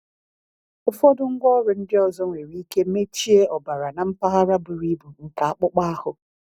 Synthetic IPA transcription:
ʊ˦fɔ˦dʊ˦ŋ̩˦ɡʷɔ˦ɾʊ˨n̩˦dɪ˦ɔ˨zɔ˦˨e˨ɾi˦ke˦me˦t͡ʃi˦e˦ʔɔ˨ba˨ɾa˨na˨m̩˦pa˦ɣa˦ɾa˦bʊ˨ɾi˦bu˨ŋ̩˨ka˨a˦k͡pʊ˦k͡pa˦a˦hʊ˨

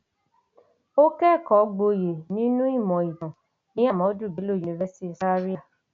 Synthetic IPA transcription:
o˦kɛ˦˨kɔ˨˦ɡ͡bo˧je˨nĩ˨˦nũ˦i˦˨mɔ̃˨i˨dɔ̃˨ | nĩ˦a˦˨mɔ̃˨˦du˦˨bi˨˦lo˦˨u˨ni˨vɛ˦si˦tsa˦ɾi˦a˦˨

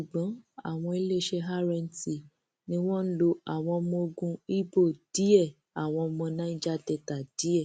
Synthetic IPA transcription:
ʃu˨ɡ͡bɔ̃˨˦a̰˦˨w̃ɔ̃˧i˦le˦ʃɛ˧ɦa˦ɾɛ̃˧n̩˨ti˨ | nĩ˧˦w̃ɔ̃˦n̩˦lo˧a˦˨w̃ɔ̃˧mɔ̃˧o˧ɡũ˧i˦bo˦˨d̥i˨˦ɛ˦˨ | a˨w̃ɔ̃˧mɔ̃˧nã˦i˦d͡ʒa˦dɛ˧˨ta˨d̥i˨˦ɛ˦˨

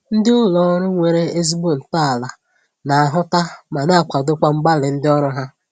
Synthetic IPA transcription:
n̩˦dɪ˦ʊ˦lɔ˦ɾʊ˦ŋʷe˨ɾe˦e˦zi˦bu˦˨n̩˨ta˦a˨la˨ | na˨a˨ɦʊ˦ta˦ma˨na˦a˨kʷa˨dʊ˦kʷa˦ŋ͡m̩˦ɡ͡ba˦lɪ˨n̩˦dɪ˦ɔ˦ɾʊ˦ɦa˦

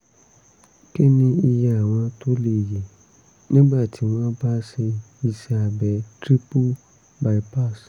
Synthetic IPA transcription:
ke˦nĩ˧i˧ja˧a˨w̃ɔ̃˧to˦le˨je˨ | nĩ˦ba˦˨tʰi˨˦w̃ɔ̃˦ba˦se˧ | i˧sɛ˧a˨bɛ˨˦tɾi˦pu˦ | ba˨i˦pa˦˨s

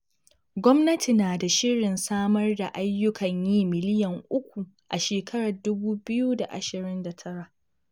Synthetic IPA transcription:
ɡʷɔ˦mnɐ˦tʰi˨naː˨da˨ʃɪ˦ɾɪ˨nsaː˦mɐ˦rda˨ʔa˦jːʊ˦kʰɐ˨ɲjiː˦mɪ˨lɪ˦jɐ˨ŋʔʊ˦kʷu˨ | ʔa̰˨ʃeː˨kʰɐ˦ɽa˨dʊ˦buː˦bɪ˦ju˦da˨ʔa̰˨ʃɪ˨ɾɪ˦nda˨tʰɐ˦ɾa˨ʔ

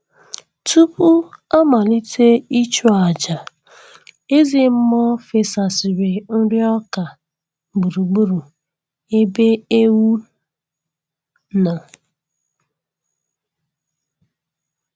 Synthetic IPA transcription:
tu˦pu˦a˦ma˨li˦tʰe˦i˦t͡ʃu˦a˨d͡ʒa˨ | e˦zi˨m̩˦mɔ˦fe˨sa˨si˨ɾe˨n̩˦ɾɪ˦ɔ˦ka˨ | ɡ͡bu˨ɾu˨ɡ͡bu˦ɾu˨ | e˦be˦e˦wu˦ | na˨

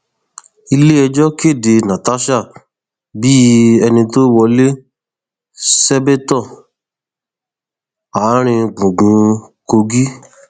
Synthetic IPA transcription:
i˧le˦ɛ˧d͡ʒɔ˦ke˦˨de˧nã˨ta˨˦ʃa˦˨ | bi˦ɛ˧nĩ˧to˦wɔ˧le˦ | sɛ˦be˦tɔ˦˨ | a˨˦ɾ̃ĩ˧ɡ͡bũ˨ɡũ˨˧ko˧ɡi˦

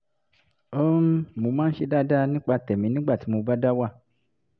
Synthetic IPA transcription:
o˦m˦mo˨˧˦mãː˦n̩˦ʃe˧da˦da˦˧nĩ˦k͡pa˧tɛ˨mĩ˨˦nĩ˦ɡ͡ba˦˨ti˨˦mo˧ba˦da˦wa˦˨

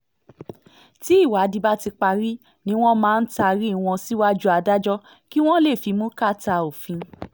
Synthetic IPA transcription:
ti˨˦i˦˨wa˨˦di˧ba˦ti˧k͡pa˧ɾi˦ | nĩ˦w̃ɔ̃˦mãː˦˧n̩˦ta˧ɾi˦w̃ɔ̃˧si˦wa˦d͡ʒu˦a˧da˦d͡ʒɔ˦ | ki˦w̃ɔ̃˦le˦˨fi˨˧˦mũ˦ka˦˨ta˧o˨fĩ˨˧

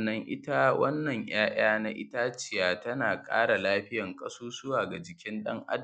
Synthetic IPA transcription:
nːɐ˦ŋʔɪ̰˦ta˦wɐ˦nːɐ˨ɲj̰aː˦j̰aː˦na˦ʔɪ̰˦taː˦t͡ʃɪ˨jaː˨tɐ˦naː˨kʼa̰ː˦ɽa˨laː˦ɸɪ˦jɐ˨ŋkʼɐ˦suː˦sʊ˦waː˨ɡa˨d͡ʒɪ˨kʲɪ˦nɗɐ˦ŋʔʔa̰˦d

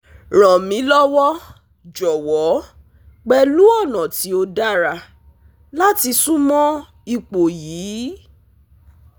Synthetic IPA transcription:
ɾ̃ɔ̃˨mĩ˨˦lɔ˦wɔ˦ | d͡ʒɔ˨wɔ˨˦ | ɡ͡bɛ˧lu˦ɔ˦˨nɔ̃˨ti˨˦o˧da˦ɾa˧ | la˦ti˧sũ˦mɔ̃˦ | i˧k͡po˨jiː˨˦

